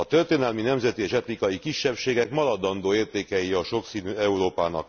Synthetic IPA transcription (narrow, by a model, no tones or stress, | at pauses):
ɒt̪ørt̪eːnɛlminɛmzɛt̪ieːʃɛt̪ɾikɒjikiʃːɛpʃeːɡɛkmɒlɒd̪ɒnd̪oːeːrt̪eːkɛjiɒʃo̞ksiːnyːɛuɾoːpaːnɒ̰k